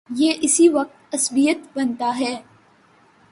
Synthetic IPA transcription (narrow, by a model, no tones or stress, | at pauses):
jeːʔɪsiʋɐq̚t̪ɐsbijət̪bɐnt̪aɦɛː